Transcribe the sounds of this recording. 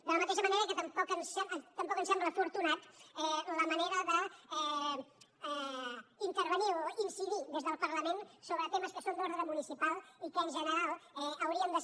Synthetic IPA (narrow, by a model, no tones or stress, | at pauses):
d̪ələmət̪eʃəməneɾəkət̪əmpɔkənsɛt̪əmpɔkənsɛmbləfuɾt̪unat̪ɛləməneɾəðəɛ | ɛint̪əɾβənioinsiðiðezðəlˠpəɾləmensoβɾət̪eməskəsond̪oɾðɾəmunisipalˠikənʒənəɾalˠɛəwɾiəmd̪ə